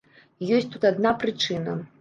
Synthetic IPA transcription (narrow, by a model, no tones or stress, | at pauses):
jɔsʲt̪ut̪ad̪napɾɨt͡ʂɨnɐ